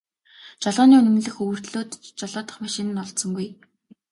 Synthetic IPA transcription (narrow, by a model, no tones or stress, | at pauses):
t͡ɕɔɮʁɔːniːɵnɵ̆mɮɘ̆xɵwɵ̆r̥t̪ɮoːt̪t͡ɕɔɮɔːt̪ə̆χmaʃɪ̆nɘ̆nːɔɮt̪sɞ̆ŋɡuj